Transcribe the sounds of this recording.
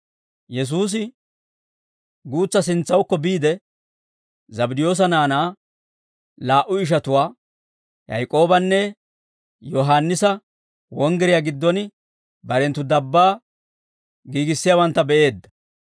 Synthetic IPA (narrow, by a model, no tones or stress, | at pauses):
jɛs̬uːs̬ɪ | ɡuːt͡sːɐs̬ɪnt͡sːɐwkːɔbiːd̪ɛ | zɐbɪd̪ɪjo̞ːs̬ɐnaːnaː | laːʔʊɪʃ̬ɐt̪ʊwaː | jɐ̰jkʼo̞ːbɐnːɛ | jɔɦaːnːɪsɐ | wɔŋɡɛɾɪjaɡɪd̪ːɔn | bɐɾɛnt̪ːʊd̪ɐbːaː | ɡiːɡɪsːɪjaːwɐnt̪ːɐbɛʔe̞ːd̪ːɐ̥